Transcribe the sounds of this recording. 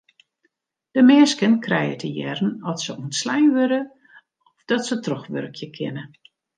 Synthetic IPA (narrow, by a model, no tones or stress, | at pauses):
d̥əmɛːskənkʰrɛjətʰəjɛrn̩ɔtsəuntslɛjnʋøɾə | ɔfd̥ɔtsətrɔxʋø̰rkʰjəkʰɪ̰nə